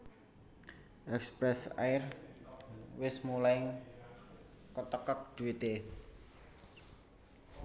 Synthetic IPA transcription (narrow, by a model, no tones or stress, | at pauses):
ʔɛkspɾɛsa̰ɪr | wɪsmulaɪŋ | kət̪əkək̚d̪̥ṳwit̪e